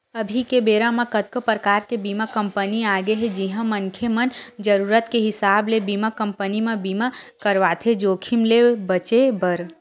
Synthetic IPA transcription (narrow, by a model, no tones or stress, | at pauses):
əbʱikebeɾamekət̪̚kopɾəkaːɾkebimakəmpəniaɡeɦed͡ʒiɦə̃məŋkʰjemənd͡ʒəɾuɾət̪keɦɪsaːblebimakəmpənimẽbimakəɾʋat̪ʰed͡ʒoːkʰimlebət͡ʃebəɾ